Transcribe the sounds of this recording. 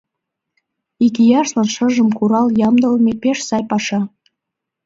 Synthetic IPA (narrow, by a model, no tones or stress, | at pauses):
ikijɑʃlˠɑnʃə̆ʒə̆mkuɾɑlˠjɑmd̪ɤ̆lmʲepʲeʃsɑjpɑʃɑ